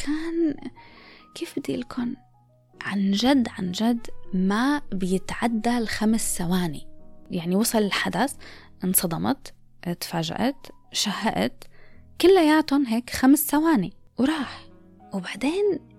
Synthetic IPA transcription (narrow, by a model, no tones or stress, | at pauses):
kʰaːn | kʰeːfbɪd̪iʔɪlkʰuːn | ʕa̰nʒad̪ːʕa̰nd͡ʒad̪ːmabɪjɪt̪ʕad̪ːalxamsːawaːnijaʕniwɑsˤɑlɪlħad̪as | ʔɪnsˤɑd̪ˤɑmɑ̰t̪ | ʔɪt̪faːʒa̰ʔat̪ | ʃahːaʔa̰t̪kʊlːajaːt̪ʊnɦeːkxamsːawaːni | wɾˤɑːħ | wbaʕd̪eːn